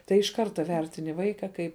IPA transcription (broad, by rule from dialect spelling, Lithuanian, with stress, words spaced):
tɐɪ ɪʃ ˈkɐrtɐ ˈʋʲɛrʲtʲɪnʲɪ ˈʋɐɪkɐ ˈkɐɪp